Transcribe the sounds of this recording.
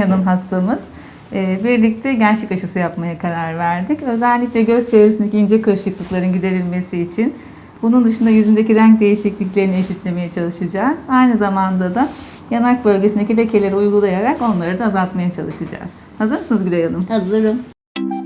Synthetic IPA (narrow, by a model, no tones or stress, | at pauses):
janɯmɦast̪ʰamɯz̥ | ɛːbiɾlʲic̚t̪ʰɛɟænt͡ʃlɛkaʃɯsɯjapmajakʰaɾaɾvæɾd̪icø̞zælʲːicʲlʲɛɟøzt͡ʃʰe̞vɾesind̪ecʰʲiːnd͡ʒeɛkʰɯɾʃɯklˠɯklˠaɾɯnɟid̪e̞ɾilʲme̞siːt͡ʃʰin | bunund̪ɯʃund̪ajyzynd̪eciɾæŋc̚d̪e̞jiʃiclʲic̬lʲe̞ɾinieʃit̪lʲe̞me̞jɛt͡ʃʰalˠɯʃɯd͡ʒaːz̥ajnɯzamand̪ad̪a | janak̚bø̞lʲɟesind̪ecilʲecʰe̞lʲeɾiujɡulˠajaɾako̞nlˠaɾɯd̪aːzalˠt̪majat͡ʃʰalˠɯʃɯd͡ʒa̰ːz̥ | hazɯɾmɯsnɯzbid̪ejanɯmhazɯɾɯm